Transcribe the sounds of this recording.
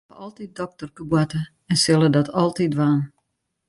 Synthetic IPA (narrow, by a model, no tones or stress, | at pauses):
əɔlˠtit̚dɔk̚tərkəbwatə | ɛnsɪlˠədɔtʰɔlˠtitʋaːn